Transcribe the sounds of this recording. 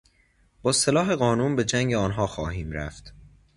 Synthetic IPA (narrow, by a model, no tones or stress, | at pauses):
b̥ɒːselɒːɦe̞ɣɒːnuːnbe̞d͡ʒæŋɟeɒːnɦɒːxɒːhiːmɾæ̰ft̪